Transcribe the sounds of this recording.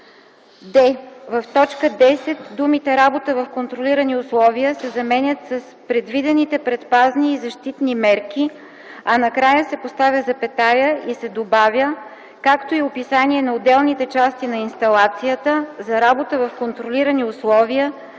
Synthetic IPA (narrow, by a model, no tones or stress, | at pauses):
d̪ɛvɐft̪ɔt͡ʃkəd̪ɛsɛt̪d̪umit̪ɛɾabot̪əvɐfkont̪ɾolʲiɾəniʊslˠɔvijəsɛzɐmɛnʲət̪sɐspɾɛd̪vid̪ɛnit̪ɛpɾɛt̪pazniːzɐʃt̪it̪nimɛɾk̟i | ɐnɐkɾajəsɛpost̪avʲjəzɐpɛt̪ajəisɛd̪obavʲə | kakt̪oiopisaniɛnɐod̪ɛlˠnit̪ɛt͡ʃast̪inɐinst̪ɐlˠat̪sijət̪əzɐɾabot̪əvɐfkont̪ɾoliɾəniʊslˠɔviə